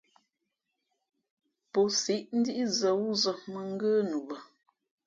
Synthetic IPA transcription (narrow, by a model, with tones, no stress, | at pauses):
po˨si˨˦ʔn̩˦di˦ʔi˦zə˨wu˦zə˨mə˦ŋ̩˦ɡə˦nu˨bə˨